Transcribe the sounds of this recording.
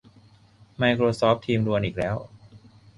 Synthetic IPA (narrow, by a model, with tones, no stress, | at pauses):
ma˧jkʰɾoː˧sɔː˦˥p̚t̪ʰiː˧mɾu˧ənʔiː˨˩k̚lɛː˦˥w